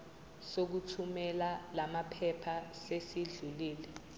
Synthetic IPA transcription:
sok̬utʰumɛlalamapʰɛpʰasesiɮuliːlɛ

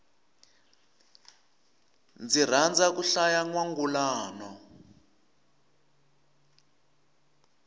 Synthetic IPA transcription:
nd͡zir̤and͡zakuɬajaŋwaŋɡulaːnɔ

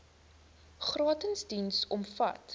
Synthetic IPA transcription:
χrɑːtənsdinsɔmfɐ̰t

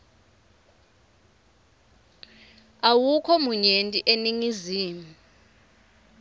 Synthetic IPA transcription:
awukʰɔmuɲentʼiʔeniŋiziːmu

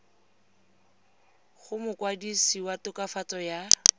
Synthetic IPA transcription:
χʊmʊkwadisiwatʊkafat͡sɔja

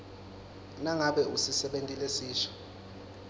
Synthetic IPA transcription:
naŋaɓɛusisɛɓentʼilesiːʃɔ̥

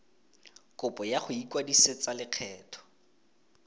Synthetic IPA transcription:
kʊpʼɔjaχʊikwadiset͡salɪq͡χʰɛːtʰɔ̥

